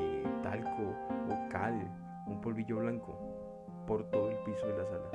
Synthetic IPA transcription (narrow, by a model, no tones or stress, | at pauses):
t̪a̰lkʰooka̰l | umpolβiʝoβlaŋko̰ | poɾt̪oðoelpisoðelasala